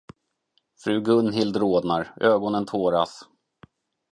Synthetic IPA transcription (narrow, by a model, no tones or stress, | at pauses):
fɾʉ̟ːɡɵnɦɪld̪ɾoːd̪naɾøːɡɔnənt̪ʰoːɾa̰s